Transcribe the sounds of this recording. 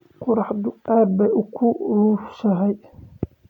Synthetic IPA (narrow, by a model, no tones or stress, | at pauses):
qʊɾɑħd̪ʊaːbɛʔʊkʰʊruːfsɐɦɛj